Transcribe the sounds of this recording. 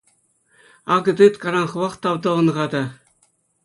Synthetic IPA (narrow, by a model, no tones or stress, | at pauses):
ɑɡɤ̆d̪ɯt̪kɑɾɑnχɤ̆wɑχt̪ɑwd̪ɤ̆ɤ̆nʁɑd̪ɑ